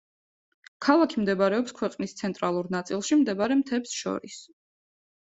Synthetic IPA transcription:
kʰalˠakʰimd̪ɛbaɾɛɔpskʰwɛqʼnist̪sʰɛnt̪ʼɾalˠuɾnat̪sʼilˠʃimd̪ɛbaɾɛmt̪ʰɛpsʃɔ̰ɾis

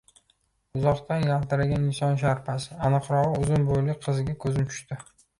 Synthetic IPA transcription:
ʊzɒqt̪anjalt̪ɪɾaɡʲanɪnsɒnʃ̬aɾpasɪanɨqɾɒʁɨʊzʊnbojlɪqʰɨzɪɡʲakʰɵzɪmt͡ʃʰʊ̥ʃt̪ɪ

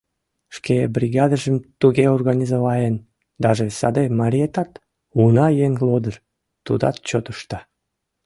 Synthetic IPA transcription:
ʃkebrʲiɣɑd̪əʒəmt̪uɣeorɣɑnʲizoβɑen | d̪ɑʒesɑ̰d̪emɑɾʲiet̪ɑt̪ | unɑjeŋlod̪ər | t̪ṵd̪ɑ̰t̪̚t͡ɕot̪əʃt̪ɑ

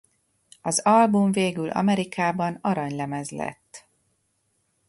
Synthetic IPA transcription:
ɒzɒlbuɱveːɡylʔɒ̰mɛɾikʰaːbɒnɒɾɒɲlɛmɛzlɛ̰t̪ː

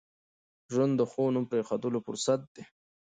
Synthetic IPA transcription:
ʒwand̪d̪əxonumpɾexad̪əlofʊ̰ɾsat̪̚d̪̥e

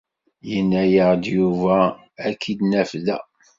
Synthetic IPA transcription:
jənːæjəʁd̪juvæː | kʰːid̪næfðæ

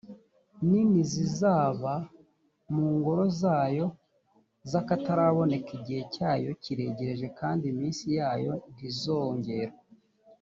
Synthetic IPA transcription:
ninizizaːβa | muːŋɡo̞ɾo̞zaːjo̞ | zakataɾaβo̞ne̞kiɟihe̞caːjo̞ciɾe̞ɟe̞ɾe̞ʒe̞kaːndimiːnsijaːjo̞nizoːɲɟe̞ɾa

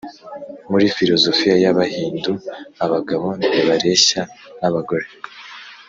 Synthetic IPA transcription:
muɾifiɾo̞zo̞fijajaβahiːnduaβaɡaβo̞neβaɾe̞ɕanaβaɡo̞ɾe̞

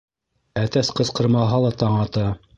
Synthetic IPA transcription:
æt̪æsqɤ̆sqɤ̆ɾmɑɦɑlˠɑt̪ɑɴɑt̪ɑ

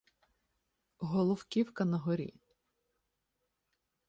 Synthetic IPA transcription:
ɦɔlˠɔwkʲiwkɐnɐɦɔɾʲḭ

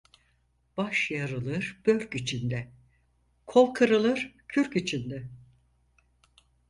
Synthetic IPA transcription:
b̥aʃjaɾɯlˠɯɾb̥ø̞lʲcit͡ʃʰind̪ɛ | kʰolˠkʰɯɾɯlˠɯɾ̥cʰyɾcit͡ʃʰind̪ɛ

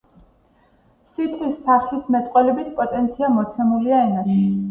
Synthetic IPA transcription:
sit̪ʰχʰwisːaχlismɛt̪ʼqʼwɛlɛbit̪ʰpʼɔt̪ʼɛnt̪sʰiamɔt̪sʰɛmuliaɛnaʃʰɛ

